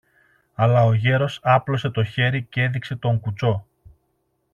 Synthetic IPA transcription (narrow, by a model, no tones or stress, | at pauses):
ɐlɐo̞ʝe̞ɾo̞sɐplo̞se̞t̪o̞çe̞ɾice̞ðikse̞t̪o̞ŋkut͡so̞